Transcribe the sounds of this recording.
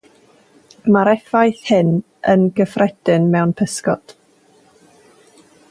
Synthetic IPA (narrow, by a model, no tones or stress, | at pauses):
maɾɛfajθhɪn | ənɡəfrɛd̥ɪnmɛwnpʰəskɔ̰d̥